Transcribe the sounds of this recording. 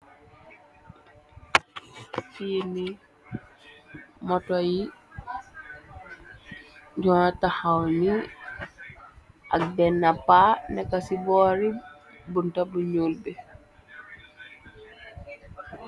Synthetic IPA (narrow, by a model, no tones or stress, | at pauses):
fiːni | mɔtɔji | ɟɔntahawni | ʔak̚dɛnːapanɛkasibɔːɾi | buntabuɲuːlbɛ